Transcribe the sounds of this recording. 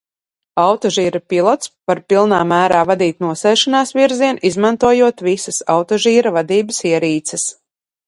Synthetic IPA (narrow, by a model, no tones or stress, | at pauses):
awt̪ɔʒiːɾapilˠɔt̪spaɾpilˠnaːmæːɾaːvad̪iːt̪nuɔsɛːʃanaːsviɾziɛnizmant̪uɔjuɔt̪visɐsawt̪ɔʒiːɾavad̪iːbəsiɛɾiːt̪sɛs